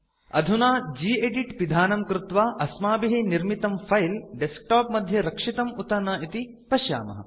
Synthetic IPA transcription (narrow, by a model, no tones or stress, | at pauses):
ɐd̪ʱunaːd͡ʒiːeɖiʈʋid̪ʱaːnɐmkɾut̪ʋaːʔɐsmaːbiɦiniɾmit̪ɐmfʰɐjlɖesk̚ʈaːpmɐd̪ʱjɐɾɐkʂit̪ɐmut̪ɐnaːit̪i | pɐʃja̰ːmɐ̰ɦɐ̰